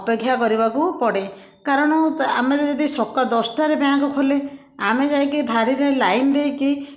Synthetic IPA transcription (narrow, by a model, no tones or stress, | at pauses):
ɔpeɡʱjakɔɾibakupɔɽe | kaɾɔɽ̃ɔamed͡ʒɔd̪isɔkɔd̪ɔsʈaɾebeãkukʰole | amed͡ʒajkid̪ʱaɽiɾelajnd̪ejki